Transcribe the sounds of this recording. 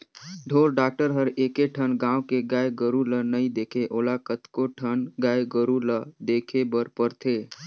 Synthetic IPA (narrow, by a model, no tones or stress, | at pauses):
ɖʱoɾɖaːk̚ʈəɾɦəɾekeʈʰənɡãukeɡaeɡəɾulənəid̪ekʰeʔoːlakət̪koʈʰənɡaeɡəɾuləd̪ekʰebəɾpəɾt̪ʰe